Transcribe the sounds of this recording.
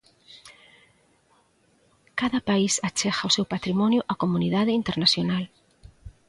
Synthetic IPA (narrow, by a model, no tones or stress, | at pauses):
kaðɐpaisat͡ʃɛɣaosewpat̪ɾimɔnjʊʔakomuniðaðɪint̪eɾnasjonal